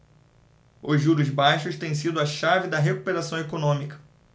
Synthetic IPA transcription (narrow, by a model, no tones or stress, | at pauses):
ʊzʒuɾʊzbajʃʊst̪ẽj̃sid̪ʊɐʃavɪd̪ɐɦeku̥peɾasɐ̃w̃ekonõmikɐ̥